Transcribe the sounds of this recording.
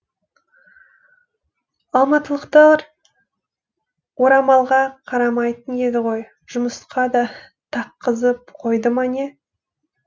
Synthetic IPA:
ɑlˠmɑt̪əlˠəqt̪ɑɾ | woɾɑmɑlˠʁɑqʰɑɾɑmɑjt̪əne̞d̪ɪʁo̞j | ʒ̥ʊməsqɑd̪ɑ | t̪ʰɑqːəzəp̚qʰo̞jd̪əmɑne

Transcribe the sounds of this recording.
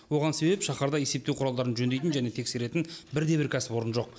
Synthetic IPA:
wo̞ʁɑnse̞bepʃɑχɑɾd̪ɑje̞se̞p̚t̪ewqʰʊɾɑlˠd̪ɑɾənʒɵnd̪ejt̪ɪnʒæne̞t̪ʰe̞kse̞ɾe̞t̪ɪnbɪɾd̪e̞bɪɾkʲʰæsɪ̥pwo̞ɾənʒo̞q̚

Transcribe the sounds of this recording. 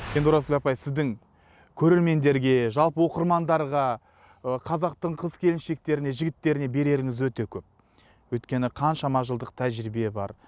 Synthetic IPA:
end̪uɾɑskʲɪlʲɑpɑjsɪzd̪ɪŋ | kʲʰɵɾe̞ɾme̞nd̪e̞ɾɡʲe̞ʒɑlˠpəwo̞qəɾmɑnd̪ɑɾʁɑ | əqʰɑzɑq̚t̪əɴqʰəzkʲʰe̞lɪnʃe̞k̚t̪e̞ɾɪne̞ʒɪɡʲɪt̪ːe̞ɾɪne̞be̞ɾe̞ɾɪŋɪzwɵt̪e̞kʲʰɵp̚ | wɵjt̪kʲe̞nɪqʰɑnʃɑmɑʒəlˠd̪əqt̪ʰæʒɾibe̞bɑ̰ɾ

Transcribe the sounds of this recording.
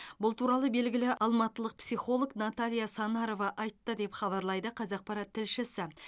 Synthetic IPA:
bʊlˠt̪ʰuɾɑlˠəbe̞lɡʲɪlɪʔɑlˠmɑt̪əlˠəq̚psijχo̞lˠoɡnat̪alʲijasɑnɑɾo̞vɑʔɑjt̪ːəd̪e̞pχɑβɑɾlˠɑjd̪əqʰɑzɑq̚pɑɾɑt̪ʰːɪlʃɪsɪ

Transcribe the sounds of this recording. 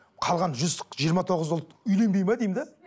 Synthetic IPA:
qʰɑlˠʁɑnʒʏzʒijəɾmɑt̪ʰo̞ʁəzwʊlˠt̪ʏjle̞nbe̞jmɑd̪ejmd̪ɪ

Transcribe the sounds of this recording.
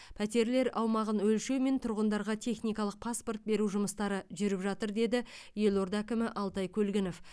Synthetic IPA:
pʰæt̪e̞ɾle̞ɾɑwmɑʁənwɵlʃe̞wme̞nt̪ʰʊɾʁənd̪ɑɾʁɑt̪ʰe̞χnijkɑlˠəq̚pʰaspo̞rt̪̚be̞ɾuʒʊməst̪ɑɾəʒʏɾɪpʒɑt̪əɾd̪e̞d̪ɪ | je̞lˠo̞ɾd̪ækʲɪmɪʔɑlˠt̪ɑjkʲʰɵlɡʲɪnof

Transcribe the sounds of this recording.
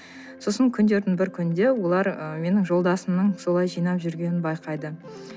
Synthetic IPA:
so̞səŋkʲʰʏnd̪e̞ɾd̪ɪŋbɪɾkʲʰʏnd̪e̞wo̞lˠɑɾəme̞nɪŋʒo̞lˠd̪ɑsəmnəɴso̞lˠɑjʒijnɑpʒʏɾɡʲe̞nɪnbɑjqɑjd̪ə

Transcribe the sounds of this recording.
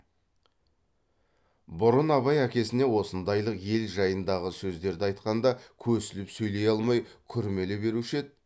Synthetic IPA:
bʊɾənɑβɑjækʲe̞sɪne̞wo̞sənd̪ɑjlˠəqje̞lʒɑjənd̪ɑʁəsɵzd̪e̞ɾd̪ɪɑjt̪qɑnd̪ɑkʲʰɵɾsɪlɪpsɵjle̞jɑlˠmɑjkʲʰʏɾme̞lɪbe̞ɾuʃe̞d̪̚

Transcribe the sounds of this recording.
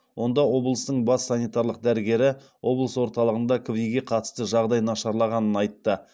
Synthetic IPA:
wʔo̞nd̪ɑwo̞blˠəst̪əɴbɑsːɑnijt̪ɑɾlˠəq̚d̪æɾɪɡʲe̞ɾɪ | wo̞blˠəswo̞ɾt̪ɑlˠəʁənd̪ɑkʰʊvijɡʲe̞qʰɑt̪ə̥st̪əʒɑʁd̪ɑjnɑʃɑɾlˠɑʁɑnənɑjt̪ːə

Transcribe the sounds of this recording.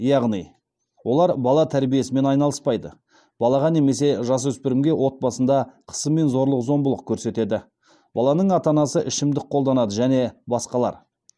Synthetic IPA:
jɑʁnij | wo̞lˠɑɾbɑlˠɑt̪ʰæɾbije̞sɪme̞nɑjnɑlˠəspɑjd̪ə | b̥ɑlˠɑʁɑne̞me̞s̬e̞ʒɑs̬wɵspɪɾɪmɡʲe̞wʔo̞t̪̚bɑsənd̪ɑqʰə̥səmːe̞nzo̞ɾlˠəqzo̞mbəlˠəq̚kʲʰɵɾse̞t̪e̞d̪ɪ | b̥ɑlˠɑnəɴɑt̪ɑnɑsəʔɪʃɪmd̪ɪk̚qʰo̞lˠd̪ɑnɑd̪əʒæne̞bɑsqɑlˠɑ̰ɾ

